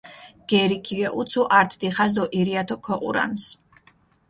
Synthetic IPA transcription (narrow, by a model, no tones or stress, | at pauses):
ɡ̥ɛɾikʰiɡɛʔut̪sʰuʔaɾt̪ʰd̪iχazd̪ɔʔiɾiat̪ʰɔkʰɔqʼṵɾa̰ns